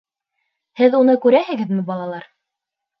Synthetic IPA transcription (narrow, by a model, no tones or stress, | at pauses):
hɘðunɤkʉɾæhɘ̆ɡɘðmɘbɑlˠɑlˠɑɾ